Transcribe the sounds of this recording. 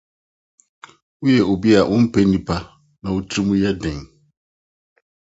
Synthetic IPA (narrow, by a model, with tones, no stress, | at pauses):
wu˦jɛ˨o˨bi˦a˨ʔʊ̃˦m̩˦pʰɛ˦nĩ˦pʰa˦ | nã˨wu˦tʰɾi˦mũ˦jɛ˦dɛ̃˨ŋ